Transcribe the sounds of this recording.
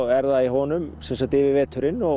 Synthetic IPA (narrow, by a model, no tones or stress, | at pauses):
ɛɾðaiɦɔːnʏmsɛnsat̪ɪːvɪvɛːt̪ʰʏɾɪnːɔ